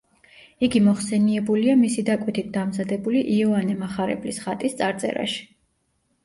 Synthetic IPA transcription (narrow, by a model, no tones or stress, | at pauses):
iɡimɔχsɛniɛbuliamisid̪akʼwit̪ʰit̪̚ʰd̪amzad̪ɛbuliʔiɔanɛmaχaɾɛ̰blisχat̪ʼist̪sʼaɾt̪sʼɛ̰ɾa̰ʃi̥